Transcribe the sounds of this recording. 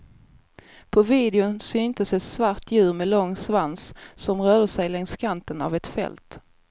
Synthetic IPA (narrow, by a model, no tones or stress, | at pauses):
pʰɔviːd̪ɪʊnsʏnt̪əsɛt̪svaɾʈʰjʉ̟ːɾmɛlɔŋːsvanssɔmɾœːd̪əsɛjlɛŋskʰant̪əna̰vɛt̪fɛ̰lt̪